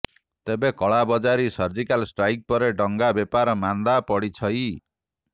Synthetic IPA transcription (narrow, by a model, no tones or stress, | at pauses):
t̪ebekɔɭabɔd͡ʒaɾisʌɾd͡ʒikalsʈɾajk̚pɔɾeɖɔŋɡabepaɾɔmand̪apɔɽit͡ʃʰʌj